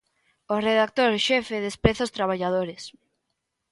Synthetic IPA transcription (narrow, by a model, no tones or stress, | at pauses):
oreðak̚t̪oɾʃɛfeðespɾeθost̪ɾaβ̞aʎaðoɾes